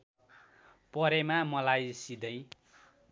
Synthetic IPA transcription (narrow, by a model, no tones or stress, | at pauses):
pʌɾemamʌlajsid̪ʌj̃